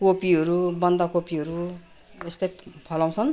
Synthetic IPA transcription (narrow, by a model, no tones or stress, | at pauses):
kopiʌɾubʌnd̪akopiɦʌɾu | est̪ʌjpʰʌlaw̃t͡sʰʌn